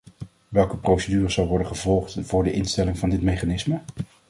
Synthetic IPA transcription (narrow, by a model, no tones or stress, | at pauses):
ʋɛlˠkəprowsədyːrəzɑlˠʋɔɹdəχəvɔlˠχtvʊːɹdəʔɪnstɛlɪŋvɑndɪtmejχanɪsmə